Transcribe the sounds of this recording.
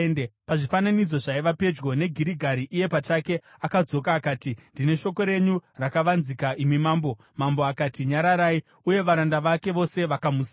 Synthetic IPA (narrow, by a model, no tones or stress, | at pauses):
nepaʐifananid͡zo̞ʐaiʋape̞d͡ʒɡo̞ne̞ɡʱiɾiɡʱaɾiʔije̞pat͡ʃake̞ | akad͡zo̞kaːkaːtindine̞ʃo̞ko̞ɾe̞ɲurakaʋanzikaʔimimaːmbo̞ | mambo̞akaːtiɲaɾaɾaːi | uje̞ʋaɾandaʋake̞ʋo̞se̞ʋakamus